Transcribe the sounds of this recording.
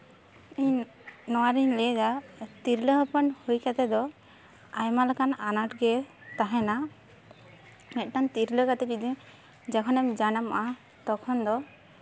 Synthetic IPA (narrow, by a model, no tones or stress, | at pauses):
iɲ | nɔwaɾiɲlɛɡat̪iɾləɦəpənhujkat̪ɛd̪ɔ | ajmalakananaʈ̚ɡɛt̪aɦɛna | mɛt̪̚ʈant̪iɾləkat̪ɛkid̪i | d͡ʒɛkʰɔnɛmd͡ʒanamaʔa | t̪ɔkʰɔnd̪ɔ